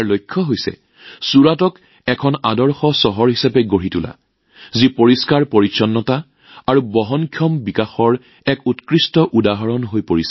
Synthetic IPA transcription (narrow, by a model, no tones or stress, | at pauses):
ɹlojkʰːɔɦojsɛ̰ | suɹatɔk | ɛkʰɔnadɔɹxɔsɔɦɔɹɦisapɛɡoɹitula̰ | zipoɹiskaɹpoɹisɔnːɔta | aɹubɔɦɔnkʰjɔmbikaxɔɹ | ɛkutkɹistɔʔudaɦɔɹɔnɦojpoɹisɛ